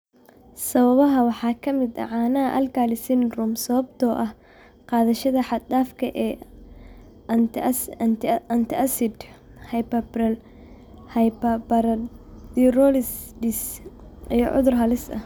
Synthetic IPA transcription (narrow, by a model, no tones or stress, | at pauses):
sɐβɐβɐɦɐwɑħɑːkʰɐmɪd̪ɐ̰ʕɑːnɐʔɐ̰lɡʰaːlɪsɪnrʊmsɐβɐbt̪ʰɔːʔɐh | qɑːðɐʃɐðɐħɑd̪aːfkʰɐʔɛː | ɐnt̪ʰɪʔɐsɪd̪hɐjpɐbrɐl | hɐjpɐbɐɾɐd̪irɔlɪsdɪs | ḭjɞʕʊ̰ðʊrɦɐlɪsɐ̰h